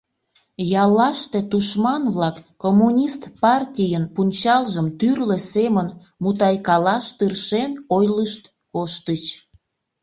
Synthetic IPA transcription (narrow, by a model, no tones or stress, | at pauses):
jɑlɑʃt̪e̽t̪uʃmɑnβlɑkːomːunʲist̪pɑrtʲijənpunʲt͡ɕɑlʒəmt̪yrlĕsemən | mut̪ɑjkɑlɑʃt̪ɨrʃenojləʃt̪ | koʃt̪ət͡ɕ